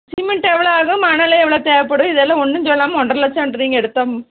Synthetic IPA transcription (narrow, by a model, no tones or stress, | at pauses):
sɪmɛɳʈɛʋɐɭoaːɣɐmaːnɐlɐɛʋːɐɭot̪eːʋɐpːɐɽɯɪðɛlːɐ̃ɔnːɯɲd͡ʒɔlːaːmɐɔɳɖɾɐlɐt͡ʃːɐɐɳɖɐɾiːŋɡɐɛɽɯt̪ːaːm